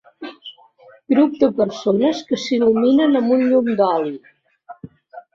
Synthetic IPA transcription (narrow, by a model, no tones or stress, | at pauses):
ɡɾup̚d̪əpəɾsonəskəsiluminənəmbunʎund̪ɔli